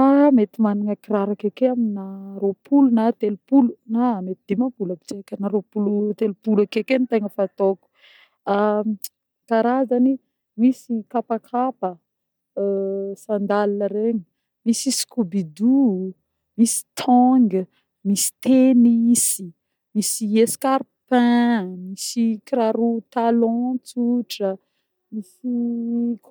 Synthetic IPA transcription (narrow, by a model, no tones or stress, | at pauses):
amet̪imaniŋakiraɾakekeaminaɾopʰulunat̪elupulunamet̪id̪̥emapulabi̥t͡ʃekənaɾopulut̪elupulakekenit̪eŋəfat̪oku̥ | a | kaɾazani | misikapakʰapə | sãnd̪alinəɾeɲə | misisi̥kubid̪u | misi̥t̪ʰɔŋɡə | misi̥t̪enisi | misieskaɾpɛ̃misikiɾaɾut̪alɔ̃t͡suʈ͡ʂə | misi